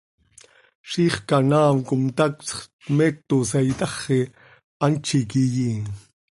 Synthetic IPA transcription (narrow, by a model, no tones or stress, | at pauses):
ʃiχkanaːmkʊmt̪akt͡sχ | met̪ːos̬ajt̪ɑχːe | ant͡ʃik̬ijiŋ